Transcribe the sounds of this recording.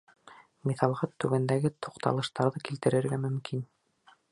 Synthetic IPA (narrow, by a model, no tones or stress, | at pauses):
miθɑlˠʁɑt̪ːʉɡænd̪æɡɘt̪ʰoqt̪ɑ̰lˠɤ̆ʃt̪ɑɾðɤkilt̪ɘ̆ɾɘ̆ɾɡæmɵ̆mkʰin